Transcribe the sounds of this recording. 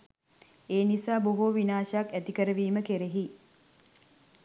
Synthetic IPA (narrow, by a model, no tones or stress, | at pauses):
eːnisaːboɦoʋinaːʃakæt̪ikəɾəʋiːməkeɾeɦi